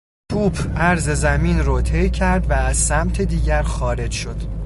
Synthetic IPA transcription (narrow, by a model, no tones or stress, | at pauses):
kʰuːbʰæɾze̞zæmiːnɾɔt̪ʰejcʰæɾd̪væːz̥sæmt̪ʰed̪iːɟæɾxɒːɾe̞d͡ʒʃo̞d̪̥